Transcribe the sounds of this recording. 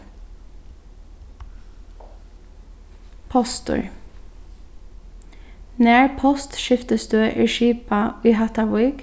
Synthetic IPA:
pʰɔst̪ʊ̰ɹ | næːɹpʰɔst̪ʃɪft̪əsd̪øːʔiːʃiːpɑiːhɑt̪ɑwiːɡ̥

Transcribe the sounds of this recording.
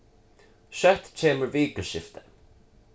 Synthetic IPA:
ʃœt̪t͡ʃʰeːməɹviːɡəʃɪft̪ʰə̥

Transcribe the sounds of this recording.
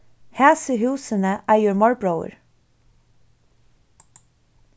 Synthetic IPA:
hæːsəhʉːsənəʔæːjuːɹmɑɹbɹəʊə̰ɹ

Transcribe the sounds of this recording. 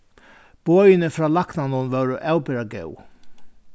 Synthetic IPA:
b̥oːjɪnɪfɾaːlaknanʊnʋœwɾʊʔaːwpɪɾaɡɛ̰w

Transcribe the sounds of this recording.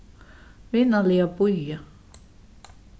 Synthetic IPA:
ʋinːɑliɑpujːɑ

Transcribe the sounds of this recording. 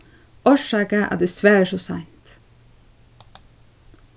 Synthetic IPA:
ɔʃɑːkəʔæ̰ːd̪ɛsʋæːɾəʃosɑɪnt̪

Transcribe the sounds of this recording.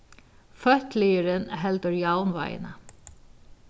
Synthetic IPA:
fœht̪lɪjɪɾɪnɦɛlt̪ʏɾjaːwnva̰jɪ̰na

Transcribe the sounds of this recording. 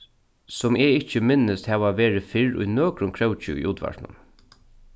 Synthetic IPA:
sʊmɛɪcːəmɪnəst̪hɛːʋaʋeːɹɪfɪɹʊ̰jnoːkɾʊmkʰɾœwt͡ʃʏ̰ʊ̰jʔuːt̪ʋa̰ɾʈnʊ̰m

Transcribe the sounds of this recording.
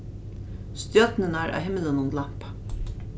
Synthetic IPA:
st̪jœt̪nɪnaɾa̰wɦɪmɪlɪnʊmlam̥pḁ

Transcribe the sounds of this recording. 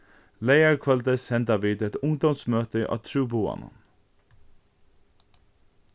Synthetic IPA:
leɪəɹkʰʋɑld̪esɛnd̪ɑʋiːd̪ɛt̪ʊŋd̪ɔmsmøːt̪əʔɑ̰ːt̪ʰɹuːboːɑ̰nə̰

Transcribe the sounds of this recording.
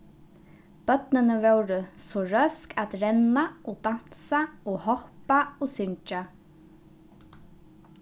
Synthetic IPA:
b̥œt̪nənəʋœwɾəsoːɹœskʰat̪ɾɛnaʔoːd̪an̥saoːhɔhpaoːsʏɲt͡ʃa

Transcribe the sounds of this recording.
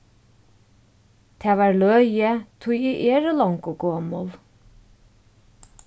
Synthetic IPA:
t̪ʰɛːvaɹlœːjət̪ʰʊjiʔeːɹəlɔŋkʊɡoːmʊl

